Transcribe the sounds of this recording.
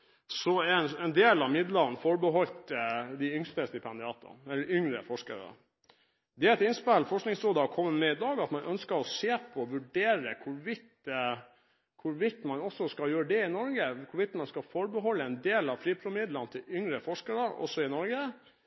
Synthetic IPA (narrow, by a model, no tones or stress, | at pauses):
sɔɛɛnɛnd̪eːlɑʋmɪd̪ləɾnfɔɾbəɦɔlt̪d̪ɪʏŋst̪əsd̪ɪpʰɛnd̪ɪɑːt̪ə̰ɛlːəɾʏŋɾəfɔʂkə̰ɾə̰ | d̪ɛæɾɛt̪ɪnspɛlfɔʂknɪŋsɾoːd̪əɑkʰɔmːəmɛɪd̪ɑːɡɑt̪mɑnʔœnskəɾɔseːpʰɔʋʉɖeːɾəkʰʊɾʋɪt̪ | kʰʊɾʋɪt̪ːmɑnɔsɔskɑljøːəɖɛɪnɔɾɡəkʰʊɾʋɪt̪mɑnskɑfɔɾbəɦɔlːəɛnd̪eːlɑʋfɾiːpʰɾʊmɪd̪lənt̪ʰɪlʏŋɾəfɔʂkəɾəɾɔ̰sɔɪnɔɾɡə